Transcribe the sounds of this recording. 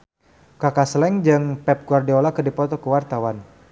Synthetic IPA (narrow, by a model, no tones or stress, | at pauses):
kakaslɛŋd͡ʒɨŋpɛp̚kuardiɔlakədipɔt̪ɔkəwart̪awan